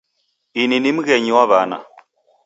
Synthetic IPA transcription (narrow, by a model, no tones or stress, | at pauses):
ininimɣɛɲiwaβana̰